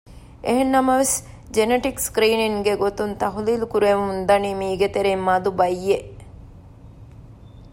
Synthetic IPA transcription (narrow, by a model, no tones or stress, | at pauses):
eɦenːɐmɐʋes | d͡ʒeneʈikskɾiːniŋɡeɡot̪unt̪ɐɦuliːlukuɾemund̪ɐnimiːɡet̪eɾeːmːad̪ubɐjːeʔ